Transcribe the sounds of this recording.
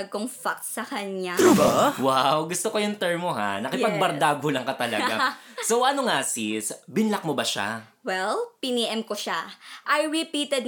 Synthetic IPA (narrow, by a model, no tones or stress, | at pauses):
ɡoŋfak̚sɐkɐɲabawawɡʊst̪okojʊnt̪ɛɹmoɦa̰nɐkɪpɐɡ̚bɐɾd̪aːɡolɐŋkɐt̪ɐlɐɡɡasowʔɐnoŋasisbɪnlɐk̚mobɐʃa̰ | wɛlpɪniːʔɛmkoʃaʔɐjɹɪpiːt̪ɛd̪